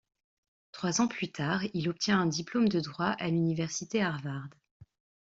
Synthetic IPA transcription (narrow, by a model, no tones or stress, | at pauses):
t̪χwazɑ̃plyt̪ʰaʁilɔp̚t̪jɛ̃ɛ̃d̪iplomd̪əd̪ʁwaʔalynivɛʁsit̪eaʁvaʁd̪